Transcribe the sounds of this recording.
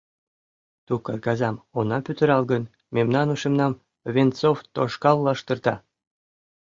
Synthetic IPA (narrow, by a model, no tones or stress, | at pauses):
t̪ukɑrkɑzɑmonɑpyt̪ə̆ɾɑlɡən | memnɑnuʃemnɑm | vʲent͡soft̪oʃkɑlːɑʃt̪ɤ̆rt̪ɑ